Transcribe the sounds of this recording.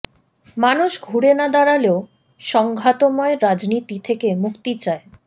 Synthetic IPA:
manuʃɡʱuɾenad̪aɾaleo | ʃɔŋɡʱat̪omɔeɾad͡ʑnit̪it̪ʰekemukt̪it͡ɕae

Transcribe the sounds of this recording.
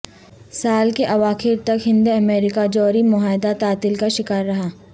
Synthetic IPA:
saːlkeʔɐʋaːxɪɾt̪ɐkɦɪ̃nd̪eɐmeːɾɪkad͡ʒɔːɾimʊɦaːɪd̪at̪aːt̪ɪlkaʃɪkaːɾːɐɦaː

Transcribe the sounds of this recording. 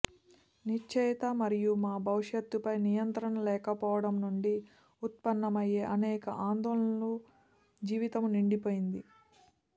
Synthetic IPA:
nit͡ʃːɛjt̪ɐmɐɾijumaːbʱɐʋuʂjɐt̪ːupɐjnijɐnt̪ɾɐɳɐlɛːkɐpɔːʋɐɽɐmnuɳɖi | ut̪̚pɐnːɐmɐjeːʔɐnɛːkɐʔaːnd̪ɔːlɐnɐlu | d͡ʒiːʋit̪ɐmniɳɖipoːjind̪i

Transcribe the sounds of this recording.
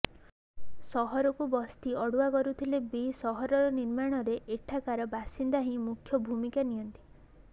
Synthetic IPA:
sɔɦɔɾɔkubɔst̪iɔɽuakɔɾut̪ʰilebesɔɦɔɾɔɾɔniɾmaɽ̃ɔɾeʔeʈʰakaɾɔbasind̪aɦĩmukʰːjɔbʱumikanijɔnt̪i̥

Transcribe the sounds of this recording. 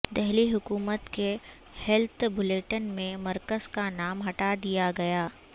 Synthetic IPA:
d̪ɛɦliɦʊkuːmət̪ke | hɛlt̪ʰbʱʊleːʈənmẽmɐɾkəzkanaːmɦɐʈad̪ijaɡɐjaː

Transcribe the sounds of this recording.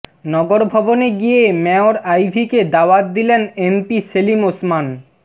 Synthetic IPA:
nɔɡoɾbʱɔboneɡijemɛoɾajbʱiked̪aoat̪̚d̪ilenempiselimosman

